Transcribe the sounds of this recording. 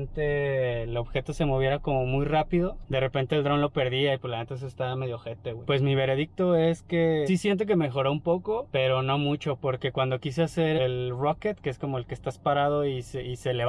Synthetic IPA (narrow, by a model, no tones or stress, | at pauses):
nt̪elo̞βxe̞t̪o̞se̞mo̞βje̞ɾako̞mo̞mujrapiðo̞d̪e̞re̞pe̞nt̪eːld̪ɾo̞nlope̞ɾðiaipoɾlament̪es̬oest̪aβame̞ðjo̞xet̪eɣwejpwe̞smiβe̞ɾe̞ðik̚t̪o̞e̞ske̞sisje̞nt̪̬o̞k̬e̞me̞xo̞ɾoumpo̞ko̞pe̞ɾo̞no̞mut͡ʃo̞po̞ɾke̞kwand̪o̞kis̬ease̞ɾelroket̪keesko̞mo̞elkest̪aspaɾað̞o̞iseiseleβ